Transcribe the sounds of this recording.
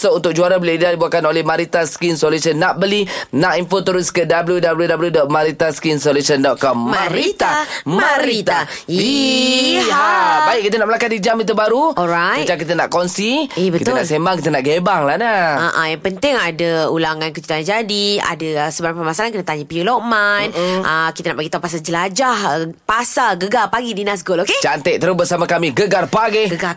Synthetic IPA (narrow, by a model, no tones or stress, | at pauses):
səunt̪ʊk̚d͡ʒuaɾabəlaadibuakanolɛhmaɾit̪askinsolusənːaʔ̚bəlinaʔinfot̪əɾʊskədabəljudabəljudabljudɔt̪̚maɾit̪askinsolusəndɔt̪̚kɔmmaɾit̪amaɾiit̪a | i | aabaɪʔ̚kːit̪ənaʔməlakat̪̚did͡ʒamit̪ubaɾuɔɾajmə̃ɲt͡ʃaŋk̬it̪̬ənaʔkɔnsiibətit̪əʊna̰ʔsembaŋkit̪ənaʔɡebaŋlanaaʔãjaŋpənt̪ɪŋadaulaŋãnkəd͡ʒu̥t̪and͡ʒadia̰daəsəbaɾampəmasalankənət̪aɲapiuloʔmanʔəkit̪ənaʔbaɡit̪awpas̬ald͡ʒəlad͡ʒahəpasalɡəɡarpaɡidinas̬ɡoloket͡ʃant̪ɛʔ̚t̪əɾubəsamakamiɡəɡarpaɡeɡəɡa